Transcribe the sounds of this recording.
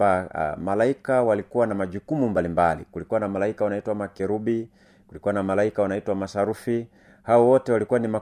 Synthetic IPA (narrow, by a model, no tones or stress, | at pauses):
a̰malaikawalikuwanamaʄukumumbalimbalḭkulikuwanamalaikawanaitwamakɛɾubi | kulikuwanamalaikawanaitwamasaɾufi | haɔwɔtɛwalikuwanima